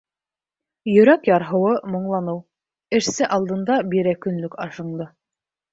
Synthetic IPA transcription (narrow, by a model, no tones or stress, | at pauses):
jɵ̆ɾækjɑɾɦɤ̆wɤmŏɴlˠɑnɤw | ɘ̆ʃsɘʔɑlˠd̪ɤ̆nd̪ɑbiɾækɵ̆nlɵkɑʃɤ̆ɴd̪ɤ